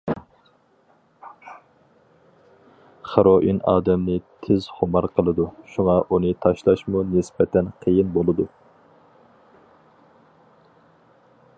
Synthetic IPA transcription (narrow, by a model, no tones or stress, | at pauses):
χəɾoʔinɑ̰ːd̪ɛmnɪt̪ʰɪz̥χʊmɑɾqʰəlˠɨd̪uʃuŋɑʔunɨt̪ʰɑʃlˠɑʃmunɪspɛt̪ʰɛnqʰəjinbolˠɨd̪u